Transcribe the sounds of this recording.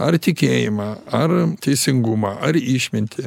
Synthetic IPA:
ɐɾt̪ʲɪkʲeːjɪmɑɐɾt̪ʲɛɪsʲɪŋɡʊmɑːʔɐɾiːʃʲmʲɪnʲt̪ʲɪ

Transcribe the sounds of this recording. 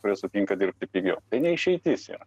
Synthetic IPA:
kʊɾʲiɛsʊt̪ʲiŋkɐd̪ʲɪrp̚ʲt̪ʲɪpʲiɡʲɛʊt̪ɐɪnʲɛɪʃʲɛɪt̪ʲisjɛ̰ː

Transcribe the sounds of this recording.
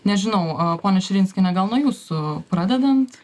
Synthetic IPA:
nʲɛʒʲɪnɐʊpoːnʲɛʃʲɪɾʲɪːnʲsʲkʲɪnʲɛɡɐlˠnuɔjuːsʊpɾɑːd̪ʲɛd̪ɐnt̪

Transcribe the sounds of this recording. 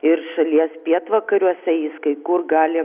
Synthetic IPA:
ɪrʃɐlʲiɛspʲiɛt̪ʋɐkɐɾʲuɔsʲɛjɪskɐɪkʊrɡɑːlʲɪ

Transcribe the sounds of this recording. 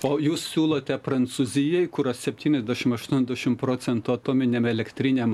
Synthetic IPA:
oːjuːssʲuːlˠoːt̪ʲɛpɾɐnt̪suzʲɪjɛɪkʊɾossʲɛpʲt̪ʲiːnʲɛzʲd̪ʲæʃʲɪmɐʃt̪unʲɛzʲd̪ʲæʃʲɪmpɾoːt͡s̪ʲɛnt̪uɐt̪oːmʲɪnʲemɛlʲɛkt̪ʲɾʲɪnʲem

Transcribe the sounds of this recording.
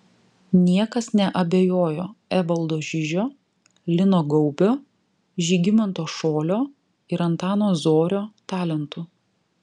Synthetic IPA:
nʲiɛkɐsnʲɛʔɐbʲeːjoːjoːɛʋɐlˠd̪oːʒʲɪʒʲoː | lʲɪnoːɡɔʊbʲoː | ʒʲiːɡʲɪmɐnt̪oːʃoːlʲoː | ɪɾɐnt̪ɑːnoːzoːɾʲoːt̪ɑːlʲɛnt̪ʊ

